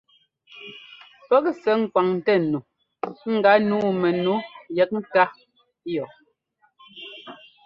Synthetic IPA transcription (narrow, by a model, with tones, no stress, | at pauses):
pɛ˦k̚sɛ˨˦ŋ̩˨kwa˨ŋn˨tɛ˦˨nu˨ | ŋ̩˦ɡa˨˦nuː˦˨mɛ˨nu˨˦jɛ˨˦k̚n̩˦ta˦ | jɔ˨